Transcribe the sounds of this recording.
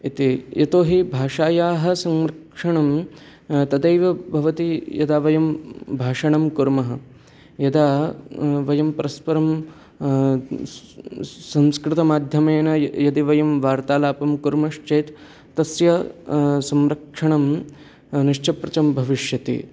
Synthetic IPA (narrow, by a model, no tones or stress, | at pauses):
it̪ijɐt̪oːɦibʱaːʂaːjaːɦɐ̆sɐmɾɐkʂɐɳɐm | t̪ɐd̪ɐjʋɐbʱɐʋɐt̪ijɐ̰d̪aːʋɐjɐmbʱaːʂɐɳɐmkuɾmɐɦɐ̆ | jɐd̪aː | ʋɐjɐmpɐɾɐspɐɾɐm | sɐ̃mskɾɪt̪ɐmaːd̪ʱjɐmeːnɐjɐd̪iʋɐjɐmʋaːɾt̪aːlaːpɐmkuɾmɐʂt͡ʃeːt̪ː | ɐsjɐsɐmɾɐkʂɐɳɐm | niʂt͡ʃʰɐpɾɐt͡ʃɐmbʱɐʋiʂjɐt̪ḭ